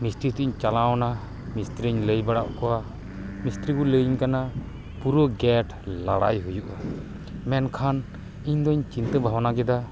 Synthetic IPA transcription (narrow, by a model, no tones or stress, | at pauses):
mist̪ɾit̪iiɲt͡ʃalaɔna | mist̪ɾiɲləjbaɽaʔkɔwa | mist̪ɾikuləjɲkana | puɾɔɡɛʈ | laɽajɦujuʔa | mɛnkʰan | iɲd̪ɔiɲt͡ʃint̪əbʱawanaɡɛd̪a